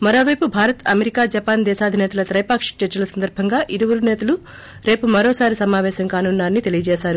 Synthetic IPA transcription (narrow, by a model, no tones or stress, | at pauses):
mɐɾo̞ːʋɐjpubʱaːɾɐt̪ɐmeɾikaːd͡ʒɐpaːnd̪ɛːʃaːd̪ʱinɛːt̪ɐlɐt̪ɾɐjpaːkʂt͡ʃɐt͡ʃːɐlɐsɐnd̪ɐɾbʱɐŋɡaːʔiɾiʋuɾunɛːt̪ɐlu | ɾe̞ːpumɐɾoːsaːɾisɐmaːʋɛːʃɐŋkaːnunːaːɐnːit̪e̞lijɐd͡ʒɛːʃaːɾu